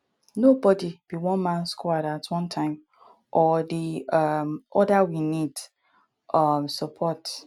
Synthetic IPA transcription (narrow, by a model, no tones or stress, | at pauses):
nobɔdib̥iwɔ̃nmãnskɔaɾatwɔ̃ntʰãɪ̃m | ʔɔdimʔɔdawinid | ʔʌmsəpʰɔt